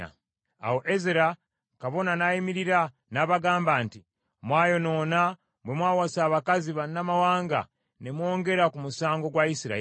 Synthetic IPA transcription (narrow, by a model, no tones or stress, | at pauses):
a̰ | a̰woʔezeɾa | kaβo̞nanaimiɾiɾa | naːβaɡaːmbaːnti | mwaːjo̞no̞ːna | bwemwaːwasaːβakaziβannamawaːŋɡa̰ | nemwo̞ːŋɡe̞ɾakumusaːŋɡo̞ɡwaisiɾa̰